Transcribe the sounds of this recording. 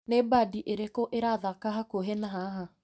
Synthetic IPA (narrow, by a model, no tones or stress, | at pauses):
nebaːdiʔeɾekɔʔeɾaðakaɦakoɦɛnaɦaɦa